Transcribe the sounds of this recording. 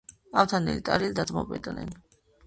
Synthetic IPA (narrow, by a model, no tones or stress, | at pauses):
aft̪ʰanɛ̰lit̪ʼaɾild̪at̪ʼmɔpʼɛd̪nɛ̰n